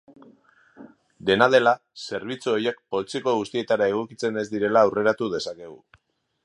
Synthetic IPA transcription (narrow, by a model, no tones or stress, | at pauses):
d̪e̞nað̞e̞la | se̞ɾβ̞it͡suojek̚po̞lt͡sioko̞ɣust̪ie̞t̪aɾae̞ɣ̞o̞kit͡se̞ne̞zd̪iɾe̞laːwre̞ɾat̪uðe̞sake̞ɣ̞u